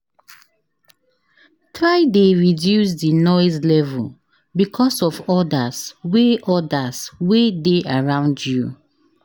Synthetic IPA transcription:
tʰɹaɪdeɹidjus̬dinɔɪzlɛvul | bikʰɔsɔfɔdasweʔɔdaswedeʔaɹãʊ̃ndju

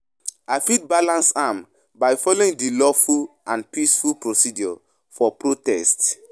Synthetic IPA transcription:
aɪfid̚balãnsam | baɪjfɔloĩŋdilɔfulãnpisfulpɹosidjɔ | fɔpɹotɛst

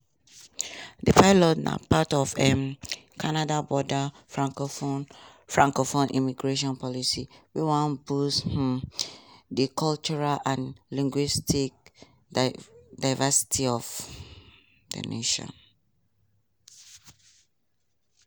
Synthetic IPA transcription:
dəpʰaɪlɔtna̰patɔvɛmkʰanadabɔda | faŋ | fɹãŋkɔfɔ̃nʔḭmiɡɹeʃ̬ɔ̃npɔlisiwiwɔ̃nbus | dikʰɔlt͡ʃuɹalãnlĩŋɡwistik̚ | daɪvasi̥tʰiɔf | də̰nḛʃɔ̰̃n

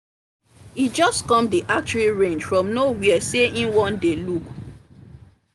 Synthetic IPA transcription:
id͡ʒɔskɔ̃mdiʔak̚t͡ʃɹiɹẽnd͡ʒfɹɔ̃mnowiɛseʔĩnwɔ̃ndeluk

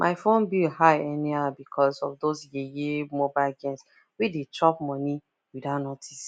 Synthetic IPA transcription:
mʔa̰ɪfõnbihaɪɛniabikʰɔsɔvdozjejemobaɪlɡɛ̃ns | widitʰɔp̚mɔni | widaʊnɔtis

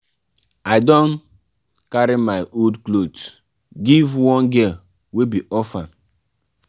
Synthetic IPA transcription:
aɪdɔ̃n | kaɾimaɪʔodklot | ɡivwɔ̃nɡɛ | webiʔɔfãn

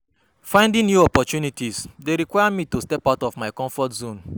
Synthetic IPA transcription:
fãɪ̃ndĩŋjuɔpɔtunitisdeɾikwajamitostɛpaʊtɔvmaɪkɔ̃ɱfɔtzõn

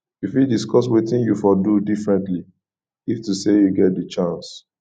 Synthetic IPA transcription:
ifidiskɔswetĩnjufɔdudifɹɛ̃ntli | iftusejuɡɛt̚dit͡ʃãns

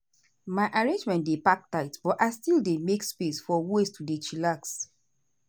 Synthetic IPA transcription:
maɪʔaɹẽnd͡ʒmɛ̃ntdepak̚taɪtbɔtaɪstildemekspesfɔwestudet͡ʃilaks

